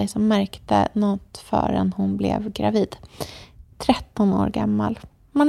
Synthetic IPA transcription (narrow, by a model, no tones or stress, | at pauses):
ɛjsɔmːæɾkt̪ə̰nɔt̪ːfœ̰ːɾɛnhʊnblɛ̰vɡɾaviːd̪ | t̪ʰɾɛt̪ːɔnoːɾɡamːal | man